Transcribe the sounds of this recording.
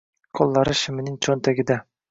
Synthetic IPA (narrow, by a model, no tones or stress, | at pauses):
qʰolˠːɑɾɪʃɪmɪnɪŋt͡ʃʰont̪ʰaɡʲɪd̪a